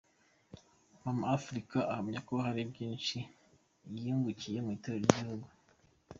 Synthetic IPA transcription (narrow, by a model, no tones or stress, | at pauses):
mamaafɾikaʔahamɲako̞ɦaɾibɟiːnʃi | jiːŋɡucije̞muiteɾoɾiɟihuɡu